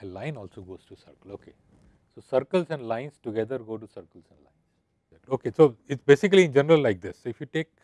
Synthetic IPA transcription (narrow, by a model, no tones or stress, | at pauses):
əlãɪ̃nɔːlsoɡoːz̥ʈusəɾkəloːkʰḛ | soːsəɾkəlsɛ̃ɳɖlãɪ̃nsʈuɡɛd̪əɾɡoːʈusəɾkəlsɛ̃ɳɖlã̰ɪ̃ns | oːkesoːɪʈsbeːsɪk̬liɪ̃nd͡ʒɛnəɾəllaɪk̚d̪ɪsːoɪfjuʈeːk̚